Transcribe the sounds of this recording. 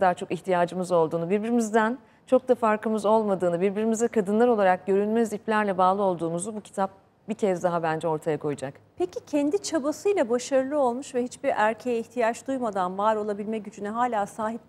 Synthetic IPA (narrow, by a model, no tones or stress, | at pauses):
ad̪aːɾt͡ʃʰo̞kiçt̪ʰijaːd͡ʒɯmɯzo̞lˠd̪uːnubiɾbiɾimizd̪æn | t͡ʃʰo̞k̚d̪afaɾkɯmɯzo̞lˠmad̪ɯːnɯbiɾbiɾimizd̪ɛkʰad̪ɯnlˠaɾo̞lˠaɾak̚ɟø̞ɾynmɛziplʲæɾlʲɛbaːlˠɯo̞lˠd̪uːmuzubucʰi̥t̪ʰap̚ | bicʰɛzd̪aɦabænd͡ʒɛo̞ɾt̪ʰajakʰo̞jud͡ʒakpʰecicʰɛnd̪it͡ʃʰabasɯjlˠabaʃaɾɯlˠɯo̞lˠmuʃvɛhit͡ʃbiɾæɾcʰejɛiçt̪ʰijat͡ʃd̪ujmad̪anvaɾo̞lˠabilʲmɛɟyd͡ʒynɛɦaːlʲaːsaːɦip̚